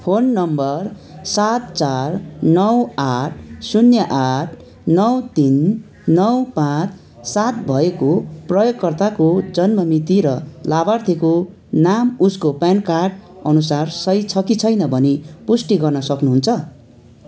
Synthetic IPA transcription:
pʰonːʌmbʌr | sat̪t͡sarnʌwaʈʰsunjʌʔaʈʰ | nʌwt̪inː | ʌwpãt͡sʰ | sat̪bʱʌekoprʌjoɡkʌrt̪akod͡zʌnmʌmit̪iɾʌlabart̪ʰeko | namuskopjankarʈʌnusarsʌjt͡sʰʌkit͡sʰʌjnʌbʱʌnepusʈiɡʌrnʌsʌknuɦunt͡sʰʌ

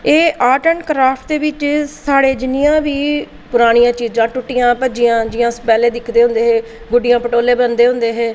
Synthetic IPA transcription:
eːʔaːʈəɳkɾaːpʰʈd̪eːʋɪt͡ʃsaːɽeːd͡ʒɪnɪjãːʋiː | pʊɾaːɽ̃ijãːt͡ʃiːd͡ʒd͡ʒãːʈʊʈːijãːpəd͡ʒɪjãːd͡ʒɪjãːspɛːleːd̪ɪkʰd̪eːɦʊ̃nd̪eːɦeː | ɡʊɖɪjãːpəʈoːleːbənd̪eːɦʊ̃nd̪eːɦeː

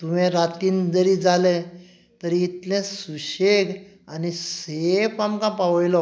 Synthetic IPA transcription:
t̪uʋɛ̃ɾat̪iːnd͡zəɾid͡zalẽ | t̪əɾiːt̪lɛ̃suɕeɡ | anisepamkãpaʋjlɔ

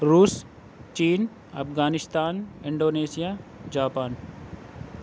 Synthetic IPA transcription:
ɾuːs | t͡ʃiːn | ɐ̰pɡaːnɪst̪aːnɪ̃ɳɖoːneːsijaːd͡ʒaːpaːn

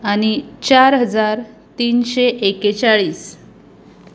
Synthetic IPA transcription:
añit͡ɕaɾɦəd͡zaɾ | t̪iːnɕeʔeket͡ɕaɭiːs

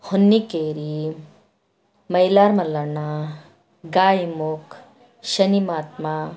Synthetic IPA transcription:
hunːikeɾi | məilaɾmaləɽna | ɡajmok | ʃənimat̪̚ma

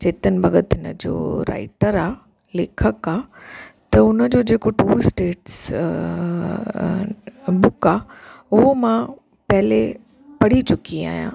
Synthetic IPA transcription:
t͡ɕeːt̪ənɪ̆bʱɐɡət̪ɪnə̰d͡ʑo̰ːɾa̰ːɪʈəɾaː | leːkʰəkaːt̪ɐʊnəd͡ʑoːd͡ʑeːkoʈuːsʈeːʈs | bʊkaːʊɦomã | pɐɦɪle | pɐɽ̤it͡ɕʊkia̰ːɦijã̰

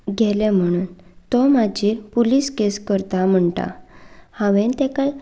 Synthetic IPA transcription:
ɡʱɛlẽm̤əɽ̃uːnt̪ɔmad͡ʑiːɾpuliːskeskəɾt̪am̤əɳʈ̪a̰hãʋɛ̃nt̪ɛkaj

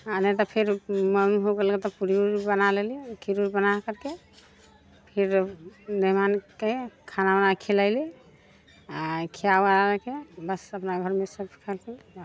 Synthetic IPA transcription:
anet̪ɔpʰeɾməmɦoɡelket̪ɔpuɾiuɾbənalelikʰiɾuɾbənakəɾke | pʰiɾniɦmankekʰanabənakʰelaɪli | akʰiawanaɾekebəsəpnaɡʱəɾmesəbpʰi̥kʰəlkil

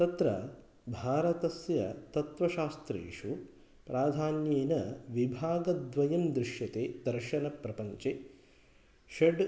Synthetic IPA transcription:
t̪ɐt̪ɾɐ̰ | bʱaːɾɐt̪ɐsjɐ̰t̪ɐt̪ʋɐʃaːst̪ɾḛːʂu | pɾaːd̪ʱaːnjeːnɐʋibʱaːɡɐd̪ʋɐjɐmd̪ɾɪʃjɐt̪eːd̪ɐɾʃɐnɐpɾɐpɐɲt͡ʃe | ʃeɖ

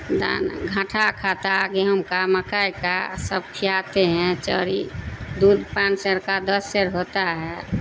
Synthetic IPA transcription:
d̪a̰nɡʱãʈʰakʰat̪aɡeɦəmkaməkajka̰səb̚kʰijat̪eɦɛ̃t͡ʃə̰ɾḭd̪ud̪pãnsəɾkad̪əsːeɾɦot̪aɦɛ

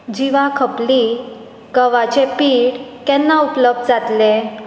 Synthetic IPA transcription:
d͡ʑiʋakʰəpli | ɡəʋat͡ɕepiːɽkɛ̃nːaupləb̚d̪d͡zat̪le

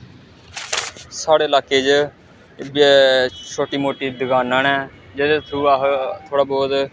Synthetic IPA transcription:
saːɽeːlaːkeːd͡ʒ | b | t͡ʃʰoːʈiːmoːʈiːd̪əɡaːnənɛː | d͡ʒed̪et̪ʰuːaːɦt̪ʰoːɽaːbɔːd̪

